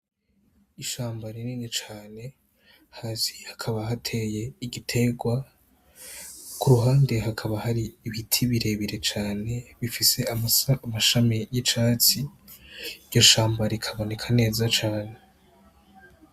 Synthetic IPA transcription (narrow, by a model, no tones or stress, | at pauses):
iʃaːmbaɾiniːnit͡ʃaːne̞ | hazi̥hḁkʰaβaɦatʰe̞je̞iɡitʰe̞ɡwa | kuɾuɦaːnde̞ɦakʰaβahaɾiːβitʰiβiɾe̞βiɾe̞t͡ʃaːne̞βifise̞amaʃamijit͡ʃaːt͡si | ɾɟoʃaːmbaɾikʰaβo̞ne̞kʰane̞ːzat͡ʃaːne̞